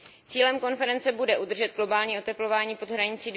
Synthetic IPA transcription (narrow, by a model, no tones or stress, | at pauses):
t͡siːlɛmko̞nfɛɾɛnt͡sɛbudɛʔud̪r̩ʒɛd̪̚ɡlo̞baːlɲiːo̞t̪ɛplo̞vaːɲiːpo̞d̪ɦɾaɲɪt͡siːd